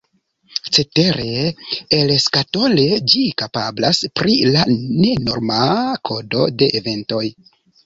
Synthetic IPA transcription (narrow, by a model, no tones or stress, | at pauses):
t͡se̞te̞ɾeelskato̞le̞d͡ʒikapablaspɾilane̞no̞̰ɾmakʰo̞do̞̰de̞ʔːve̞nto̞j